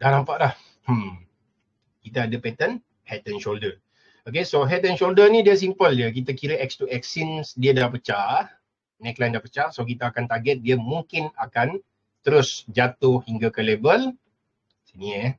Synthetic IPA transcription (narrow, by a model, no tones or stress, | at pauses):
dahnampaʔlah̩ | kit̪aːdəpɛt̪ən | hɛt̪ɛnʃoldər | ok̬esoɦɛt̪ɛnʃoldənidiəs̬impəljək̬it̪akiɾəʔɛkst̪uɛksinsdiədapət͡ʃa | nɛklajndahpət͡ʃasok̬it̪aːkant̪aɡɛt̪̚diəmuŋkɪnakan | t̪əɾʊsd͡ʒat̪ʊhiŋɡakəlebəl | siniə